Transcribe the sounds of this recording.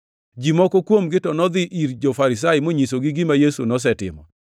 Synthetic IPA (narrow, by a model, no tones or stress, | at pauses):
d͡ʒimɔkɔkwomɡɪtɔnɔd̪ɪʔiɾd͡ʒɔfaɾis̬ajɪmoɲisoɡɪɡimajesṵnɔs̬ɛtɪ̰mɔ̰